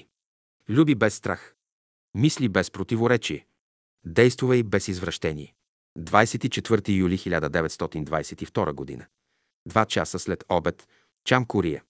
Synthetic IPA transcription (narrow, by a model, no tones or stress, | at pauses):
lʲubibɛsːt̪ɾa̰x | mislibɛspɾot̪ivoɾɛt͡ʃiɛ | d̪ɛjst̪vʊvɐibɛsizvɾɐʃt̪ɛnḭɛ | d̪vajsɛt̪it͡ʃɛt̪vɤɾt̪ijulʲixilʲad̪əd̪ɛvɛt̪st̪ɔt̪ind̪vajsɛt̪ift̪ɔɾəɡod̪ḭnə | d̪vat͡ʃa̰səslɛt̪ɔbɛt̪ | t͡ʃamkʊɾijɛ